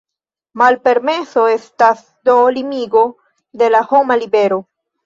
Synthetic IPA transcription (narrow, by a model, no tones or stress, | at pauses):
malpe̞ɾme̞so̞e̞stas | do̞limiɡo̞ | de̞laho̞malibe̞ɾo̞